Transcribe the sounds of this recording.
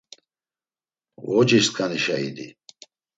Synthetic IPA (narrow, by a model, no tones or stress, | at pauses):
wɔd͡ʒiʃt̪kʰaniʃaḭd̪ḭ